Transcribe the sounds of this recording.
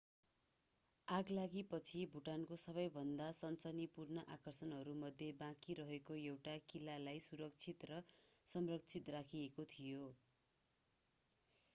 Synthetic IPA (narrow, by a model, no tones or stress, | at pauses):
aɡlaɡipʌt͡sʰibʱuʈankosʌβʌjbʱʌnd̪asʌnt͡sʌnipurnʌʔakʌrsʌnɦʌɾumʌd̪ʱjebãkiɾʌɦekoewʈakilalajsuɾʌk̚t͡sʰit̪rʌsʌmrʌk̚t͡sʰit̪rakʰiekot̪ʰijo